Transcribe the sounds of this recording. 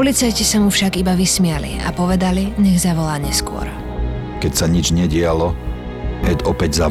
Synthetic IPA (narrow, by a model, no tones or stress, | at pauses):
pɔlit͡sajcisamufʃaɡibaʋismɪalḭa̰pɔʋɛd̪aliɲɛɣzaʋɔlaːɲɛskʊɔ̰ɾ | kɛcsaɲid͡ʒɲɛɟɪalɔ | ɛd̪ɔpɛɟza